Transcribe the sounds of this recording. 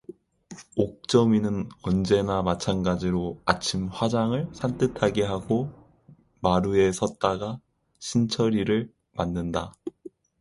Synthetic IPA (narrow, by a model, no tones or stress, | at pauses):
ok̚t͡ɕ͈ʌminɯnʌnd͡ʑe̞namat͡ɕʰanɡad͡ʑiɾoat͡ɕʰimɸwad͡ʑaŋɯɭsʰant͈ɯtʰaɡe̞ɦaɡo | maɾue̞sʰʌt̚t͈aɡa | ɕʰint͡ɕʰʌɾiɾɯɭ | manːɯnda